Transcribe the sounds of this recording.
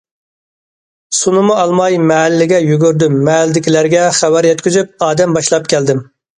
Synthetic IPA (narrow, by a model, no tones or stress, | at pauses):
sunɨmuɑlˠmɑjmɛɦælːɪɡʲɛjyɡʲyɾd̪ymːɛɦælɪd̪ɪkʲʰilæɾɡʲɛχæwæɾjɛt̪̚kʲyzyp̚ɑːd̪ɛmbɑʃlˠɑp̚kʲɛld̪ɪm